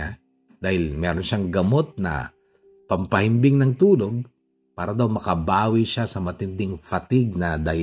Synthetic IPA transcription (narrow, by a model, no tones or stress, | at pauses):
a | d̪aːhɪlmɛːɾonʃaŋɡɐmo̞t̪̚nɐ̰ | pɐmpɐhɪmbɪŋnɐŋt̪uːlo̞ɡ̚ | paːɾɐd̪awmɐkɐbaːwiʃasɐmɐt̪ɪnd̪ɪŋfɐt̪ɪɡ̚nɐd̪ɐ